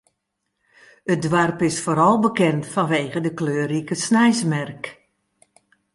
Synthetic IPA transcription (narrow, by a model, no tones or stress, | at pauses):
ət̚dʋarpɪsfoːɾɔlˠbəkɛntfɔnʋeːɣədəkløːɾikəsnɛjsmɛrk